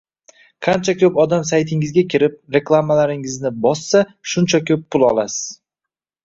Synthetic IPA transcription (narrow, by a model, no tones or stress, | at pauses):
qʰant͡ʃʰakʲʰɵpɒd̪amsajt̪ʰɪŋɪzɡʲakʲʰɪɾɪp̚ɾe̞klˠamalaɾɪŋɪznɪbɒsːaʃʊnt͡ʃʰakʰʲɵpʰːʊlˠɒlˠasɪ̥z̥